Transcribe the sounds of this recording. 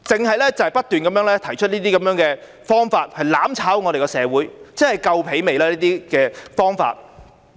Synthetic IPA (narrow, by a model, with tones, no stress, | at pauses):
t͡sɪ˨ŋɦɐ˨jlɛː˥t͡sɐ˨whɐ˨jpɐ˥t̚t̪yː˨nkɐ˨˥mjœː˨˥ŋlɛː˥t̪ʰɐ˨˩jt͡ʃʰɵ˥t̚niː˥t̪iː˥kɐ˨˦mjœː˧˥ŋkɛː˧ | fɔː˥ŋfaː˧t̚hɐ˨jlaː˨˥mt͡sʰaː˨˥wŋɔː˨˧ɾe˨jkɔ˧sɛː˨˧wuː˨˥jt͡sɛ˥hɐ˨˩jkɐ˧wpʰe˨˥jme˨jlaː˦˥liː˥t̪iː˥kɛː˧fɔː˥ŋfa̰ː˧t̚